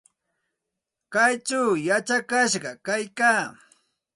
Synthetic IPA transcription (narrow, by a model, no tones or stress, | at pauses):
kajt͡ʃawjat͡ʃakaʃɢɑkajkaː